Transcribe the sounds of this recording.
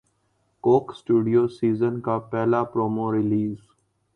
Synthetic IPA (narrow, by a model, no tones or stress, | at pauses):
koːksʈuːɖijoːsiːzənkapɛːlapɾoːmoɾɪliːz